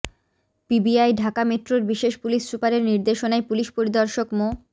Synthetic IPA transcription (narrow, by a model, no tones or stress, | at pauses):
pibiajɖʱakameʈɾoɾbiʃeʃpuliʃsupaɾeɾniɾd̪eʃonaepuliʃpoɾid̪ɔɾʃokmo